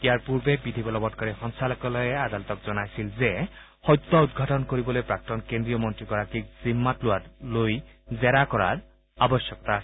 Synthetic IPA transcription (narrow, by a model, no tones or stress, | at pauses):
ijaɹpuɹbebidʱibɔlɔbɔtkɔɹɛxɔnsalɔkɔlɔjɛad̪alɔt̪ɔkzɔnajsilze | xɔjt̪ːɔud̪̚ɡʱatɔnkoɹibɔlojpɹak̚tɔnkendɹijɔmɔntɹikɔɹakik̚zimːatlʊwatloj | zɛɾakɔɹa̰ɹ | abɔsjɔkɔta